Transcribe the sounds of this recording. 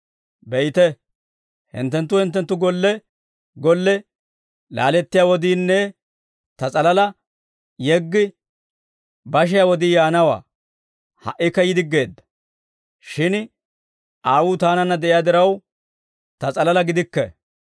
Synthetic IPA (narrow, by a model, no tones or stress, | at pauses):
bɛjt̪ɛ | hɪ̰nt̪ːɛnt̪ːʊhɪnt̪ːɛnt̪ːʊɡɔlːɛ | ɡɔlːɛ | la̰ːlɛt̪ːɪjaːwɔd̪iːnːɛ | t̪ɐt͡sʼɐlɐlɐ | jɛɡːɪ | bɐʃ̬ɪjawɔd̪ijaːnɐwa̰ː | hɐ̰ʔɪkːɐjɪd̪ɪɡːe̞ːd̪ːɐ̥ | ʃɪn | ʔaːwut̪aːnɐnːɐd̪ɛʔɪjaːd̪ɪɾɐw | t̪ɐt͡sʼɐlɐlɐɡɪd̪ɪkːɛ̰